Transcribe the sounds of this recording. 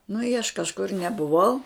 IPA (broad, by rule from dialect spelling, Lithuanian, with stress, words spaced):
nʊ ɪ ɐʃ kɐʃˈkʊr nʲɛbʊˈʋɐʊ